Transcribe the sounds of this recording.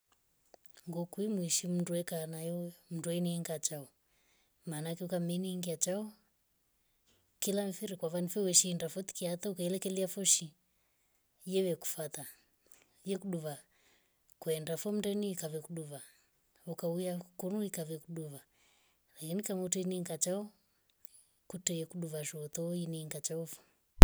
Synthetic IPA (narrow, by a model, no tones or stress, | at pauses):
ŋɡɔkwimwiʃim̩nduɛkanajɔm̩nduɛiniɛŋɡat͡ʃaɔ | maːnakɛukamɛniŋɡiat͡ʃaɔ | kilamfiɾikwavanifɛwɛʃiːndafɔt̪i̥kiat̪aukailɛkɛliafɔʃi | jɛwɛku̥fat̪a | jɛkuɗuβa | kuɛndafɔm̩dɛniːkavɛkuɗuβa | ukaujakɔnuikavɛkuɗuβa | lakinikamutɛiniŋɡat͡ʃaɔ | kutɛjɛkuɗuβaʒɔːt̪ɔɔiniːŋɡat͡ʃaɔfɔ̥